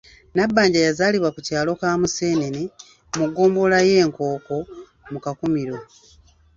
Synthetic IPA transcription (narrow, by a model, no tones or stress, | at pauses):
nabːaːɲɟajazaːliβwakucaːlo̞kaːmuse̞ːnene | muɡo̞ːmbo̞laje̞ːŋko̞ːko̞ | mukakumiɾo̞